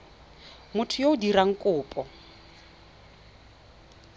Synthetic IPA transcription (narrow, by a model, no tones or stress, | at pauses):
mʊtʰʊjoʊdiɾaŋ̩kʼʊːpʼɔ